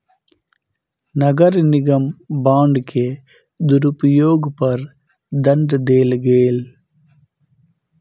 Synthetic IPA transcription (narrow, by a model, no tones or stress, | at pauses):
nɐɡɐɾnɪɣɐmbaːɳɖkʰːeː | d̪ʊɾupujoːɡpɐɾ | d̪ɐnɖɐd̪eːlɡeːl